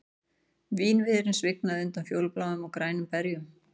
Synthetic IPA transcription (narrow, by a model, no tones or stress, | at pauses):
viːnvɪːðɾɪnsvɪk̚naðɪʏnt̪anfjowlplawʏmawkɾaːjnʏmpɛɾjʏm